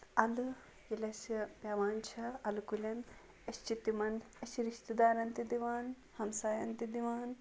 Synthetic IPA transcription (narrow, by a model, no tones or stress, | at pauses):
ɐlɨ | jilɐspjaːʋaːnt͡ʃʰɐɐlukulʲɐn | ɐst͡ʃit̪imɐn | ɐsiɾiʃt̪id̪aːɾɐnt̪id̪iʋaːn | hɐmsaːjɐnt̪id̪iʋaːn